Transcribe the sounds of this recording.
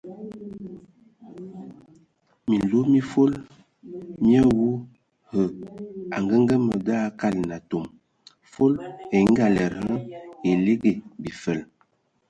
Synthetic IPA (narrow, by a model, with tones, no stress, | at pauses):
mi˨lo˦mi˦fo˦l | mjə˦wu˦ | hə˨a̰˨ŋɡə˦ŋ˦ɡə˦mə˨da˦ka˦˨lna˨to˨m | fo˦le˨˦ŋ̩˦ɡa˨lɛ˨ɾhə˦e˨le˦ɡe˨bi˨fə˨l